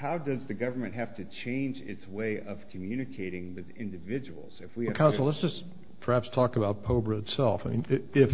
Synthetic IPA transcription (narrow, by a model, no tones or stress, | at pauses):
haʊdʌzðɨɡʌvə˞mɨ̃nʔɦæftɨt͡ʃʰẽɪ̃nd͡ʒɪ̰tsweɪʔʌv̥kʰɨmjʉnɨkʰeɪɾɪ̃ŋwɨðɪ̰̃ndɨvɪd͡ʒɨwl̩ˠz̥ɨfwikʰãʊnsl̩ˠlətsd̥ʒ̥ʌs | pʰə˞hæpstʰɔkəbaʊt̚pʰoʊbɹəɨtsɛlˠfaɪmĩnɪɪf